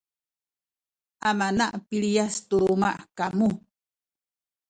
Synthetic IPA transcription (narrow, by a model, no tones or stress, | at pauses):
amanaʔpiɭijast̪umaʔkamu